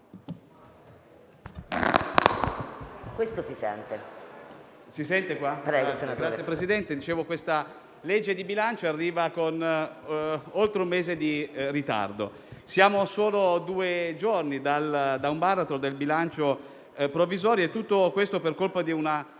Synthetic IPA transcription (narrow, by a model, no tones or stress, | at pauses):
kwest̪osisɛ̰nt̪e | sisɛnt̪ekwapɾɛɡsnaɡɾat̪sjepɾesid̪ɛnt̪ed̪it͡ʃeːvokwest̪a | led͡ʒːed̪ibilant͡ʃoarːiːvakon | olt̪ɾeumːeːzed̪irit̪a̰rd̪o̰ | sjaːmosoːlod̪uːed͡ʒornid̪ald̪aumbarat̪od̪elbilant͡ʃo | pɾovːizɔːɾjoet̪ːut̪ːokwest̪operkolpad̪iuna